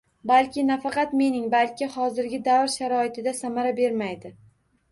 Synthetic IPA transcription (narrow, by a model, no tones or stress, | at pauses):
balkʲɪnafɑqɑt̪me̞nɪŋbalkʲɪhɒzɪɾɡʲɪd̪avɾʃaɾɒɪt̪ʰɪd̪asamaɾabe̞ɾmajd̪ɪ